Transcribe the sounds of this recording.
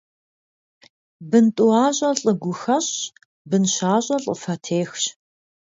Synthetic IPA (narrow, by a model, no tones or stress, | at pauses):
bɨntʼuaːɕʼɐɬʼəɡʷʊxɐɕ | bɨnɕaːɕʼɐɬʼəfɐtʰeːxɕ